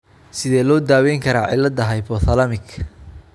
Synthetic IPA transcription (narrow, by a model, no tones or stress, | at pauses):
sɪðɛːlɔːd̪aːwɛjŋkʰɐɾaːʕɪ̰lɐd̪ɐɦɐjbɔθɐlɐmɪkʰ